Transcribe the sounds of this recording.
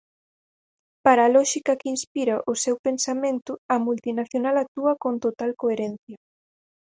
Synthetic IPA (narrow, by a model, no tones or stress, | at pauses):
paɾaːlɔʃikɐkɪinspiɾaʔʊsewpensamẽnt̪ʊɐmult̪inaθjonalak̚t̪uɐkont̪ot̪alkoeɾɛnθjɐ